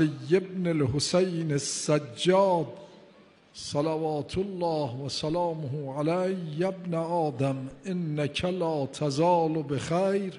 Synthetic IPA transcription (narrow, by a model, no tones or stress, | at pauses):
lijːebnelɦosejnesːæd͡ʒːɒːd̪ | salavɑːt̪ʰolːɑːhvæsalɑːmoɦuːʕalæjːabneɒːd̪amʔɪnːakʰalɑːt̪ʰazɑːlbexæjɾ